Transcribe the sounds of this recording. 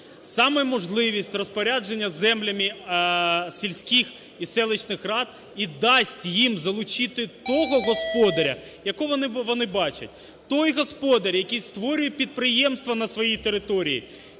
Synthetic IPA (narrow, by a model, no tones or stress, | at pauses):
sɑmɛmɔʒlˠɪʋʲisʲtʲrɔspɔɾʲad͡ʒe̞nʲːɐzɛmlʲɐmɪ | sʲilʲsʲkɪx | isɛlˠɪt͡ʃnɪxrɑd̪̚ | id̪ɑsʲtʲjimzɐlˠʊt͡ʃɪt̪ɪt̪ɔɦɔɦɔspɔd̪ɐɾʲɐ̰jɐkɔʋɔnɪʋɔnɪbɑt͡ʃɐ̰t̚ʲ | t̪ɔjɦɔspɔd̪ɐɾʲjɐkijst̪ʋɔɾʲʊjɛpʲid̪̚pɾɪjɛmst̪ʋɐnɐsʋɔjijt̪eɾɪt̪ɔɾʲijḭ